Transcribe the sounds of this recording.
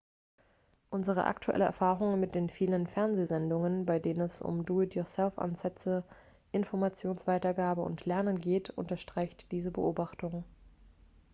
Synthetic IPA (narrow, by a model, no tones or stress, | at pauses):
ʔʊnzəʁ̞ə̰ʔa̰ktʰuʔɛ̰ləʔɛ̰ɐfaːʁʊŋmɪt̚d̥eːnfiːlənfɛɐnzeːzɛndʊŋənbaɪdeːnənɛsʊ̰mduːɪtjosɛlfʔa̰nzɛt͡sə | ʔɪnfɔɐmat͡sjoːnsv̥aɪtɐɡaːbəʊ̰ntʰlɛɐnənɡeːtʔʊ̰ntɐʃtʁ̥aɪçtd̥iːzəbə̰ʔoːbaχtʊŋ